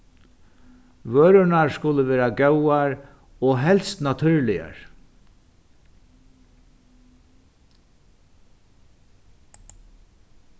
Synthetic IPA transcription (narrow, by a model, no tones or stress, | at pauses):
ʋøːɾʊnaɹskʊləʋeːɾaɡœwaɹ | ɔɦɛlst̪nat̪ʰʏɹlɪja̰ɹ